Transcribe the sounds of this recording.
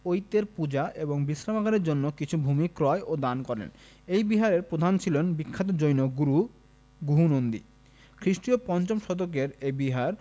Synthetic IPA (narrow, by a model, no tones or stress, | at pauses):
ojt̪ːeɾpud͡ʑaʔeboŋbisɾamakaɾeɾd͡ʑonːokit͡ɕʰubʱumikɾɔeʔod̪ankɔɾḛn | ejbiɦaɾeɾpɾod̪ʱant͡ɕʰilonbikʰːat̪od͡ʑojnoɡuɾu | ɡuɦunond̪ḭ | kʰɾiʃʈɾiopɔnt͡ɕomʃɔd̪okeɾebiɦaɾ